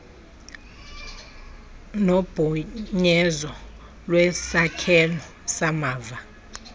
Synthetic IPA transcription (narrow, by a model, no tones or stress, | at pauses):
nob̥ʱuɲɛzɔ | lwɛsakʰɛlɔ | samaːva